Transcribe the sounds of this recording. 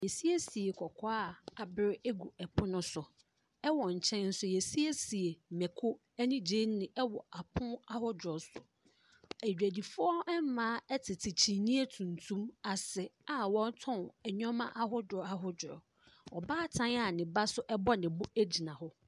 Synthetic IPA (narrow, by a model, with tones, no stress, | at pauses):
jɛ˨si˦e˦si˨e˨kʰɔ˨kʰɔ˦a˦˨a˨bɪ˦ɾɪ˦ɛ˦ɡu˨ɛ˨pʰʊ˦nʊ̃˦sʊ˨ | ɛ˦wɔ˨ɲ̩˨t͡ɕʰɛ̃˦nn̩˦sʊ˦jɛ˨si˦e˦si˨e˨mɛ˨kʰʊ˦ | ɛ˦nĩ˦d͡ʑe˦n˦nɪ̃˨ʔɛ˦wɔ˨ʔa˨pʰʊ̃˦a˦hʊ˦dɔ˨sʊ˨ | æ˨d͡ʑᶣæ˨di˨fʊ˦ɔ˦ɛ˦m˦mãː˦ɛ˦tʰɪ˨tʰɪ˨t͡ɕʰi˨nĩ˦e˦tʰũ˨n˨tʰũ˦ma˨sɛ˨a˨wɔ̃˦n˦tʰɔ̃˦˨ɛ˨ɲɔ̃˦mã˦ʔa˦ɦʊ˦dɔ˨a˦ɦʊ˦dʊ˨ɾɔ̰˨ | ɔ˨baː˦tʰã˦n˦a˨nɪ̃˨ba˦sʊ˦ʔɛ˦bɔ˦nɪ̃˨bʊ˦æ˦d͡ʑi˨nã˨hʊ˦